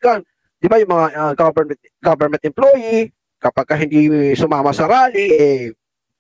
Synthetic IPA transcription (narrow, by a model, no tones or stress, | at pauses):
ɡan | d̪̥ɪbajʊŋmɐŋaɐɡabɛɹmɛnt̪̚ | ɡobɛɹmɛnt̪ɪmploːji | kɐpaɡ̚kɐɦɪnd̪isʊmaːmɐsɐɾaːlɪʔɛ